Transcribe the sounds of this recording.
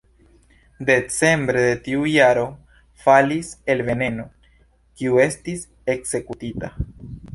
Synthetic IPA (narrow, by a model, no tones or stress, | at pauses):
de̞t͡se̞mbɾe̞de̞tiujaɾo̞ | falise̞lve̞ne̞no̞ | kiue̞stis | e̞kz̥e̞kutita